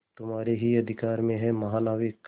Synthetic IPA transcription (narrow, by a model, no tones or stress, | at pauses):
t̪ʊmɦaːɾeɦiɐd̪ʱɪkaːɾmẽɦɛ̃mɐɦaːlaːʋɪk